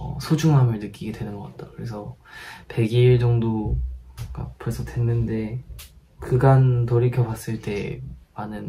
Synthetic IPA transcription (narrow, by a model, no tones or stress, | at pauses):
ʌ̰sʰod͡ʑuŋɦamɯɭnɯk͈iɡedwe̞nɯnɡʌk͈at̚t͈ḁkɯɾe̞s̬ʰʌpe̞ɡiɭd͡ʑʌŋdo | k͈a̰pʌɭsʰʌdwe̞nːɯnde̞ | kɯɡantoɾikʰjʌbwas͈ɯɭt͈e̞manɯn